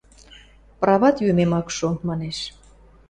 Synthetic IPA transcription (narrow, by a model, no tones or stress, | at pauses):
prɑβɑt̪jømemɑkʃomɑneʃ